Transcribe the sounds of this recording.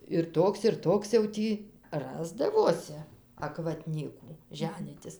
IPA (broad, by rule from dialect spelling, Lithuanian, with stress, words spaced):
ɪr ˈtoːks ɪr ˈtoːks jɛʊ ˈtʲiː ˈrɑːzdɐʋoːsʲɪ ɐkʋɐˈtʲnʲiːkuː ˈʒʲæːnʲiːtʲɪs